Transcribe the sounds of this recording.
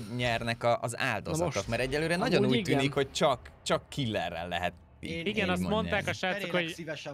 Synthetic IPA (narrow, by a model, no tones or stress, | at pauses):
ɲɛrnɛkɒʔɒza̰ːld̪ozɒ̰t̪okmɛɾɛɟːɛlːøːɾɛnɒɟonuːc̪ːyːnikho̞c̚t͡ʃɒkt͡ʃɒkːʰilːɛrːɛ̰lːɛ̰ɦɛt̪ː | ḭiɡɛnɒstmo̞nt̪aːkɒʃaːt̪okho